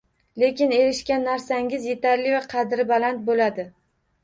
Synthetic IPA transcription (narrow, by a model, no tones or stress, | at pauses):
le̞kʲɪne̞ɾɪʃkʲanːaɾsaŋʲɪzje̞t̪ʰaɾlɪvaqʰɑd̪ɾɪbalant̪̚bolad̪ɪ